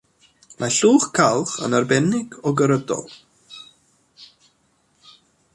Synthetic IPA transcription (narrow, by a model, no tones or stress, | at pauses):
mʔaɬuːxkʰalˠχə̰naɹbɛnɪɡɔɡəɾədɔ̰lˠ